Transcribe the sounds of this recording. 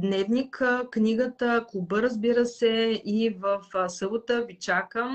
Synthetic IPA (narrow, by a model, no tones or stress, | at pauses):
d̪nɛvnikknʲiɡət̪əkubəɾəzbiɾəsɛivəfsɤbʊt̪əvit͡ʃakəm